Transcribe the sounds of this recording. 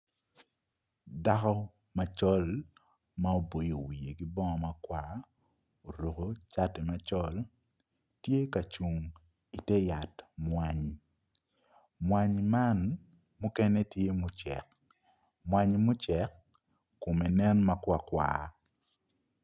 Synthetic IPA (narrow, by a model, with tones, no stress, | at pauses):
da˦kɔ˦ | ma˨t͡ʃɔ˦l | ma˦o˦bo˨jo˨wi˨e˨ɡi˦bɔ˦ŋɔ˨ma˦kwa˦ | o˨ɾo˨ko˨t͡ʃa˦tɛ˨ma˨t͡ʃɔ˦l | tje˦ka˨t͡ʃu˨ŋ | i˨tɛ˦ja˨tmwa˦ɲ | mwa˨ɲma˦n | mu˦kɛ˦nɛ˦tje˦mʊ˦t͡ʃɛ̰˨k | mwa˦ɲmʊ˦t͡ʃɛ˨kː | o˨me˨nɛ˦nma˦kwa˦˨kwa̰˨